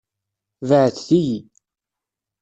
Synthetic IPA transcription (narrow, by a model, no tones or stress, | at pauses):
vəʕəθθiji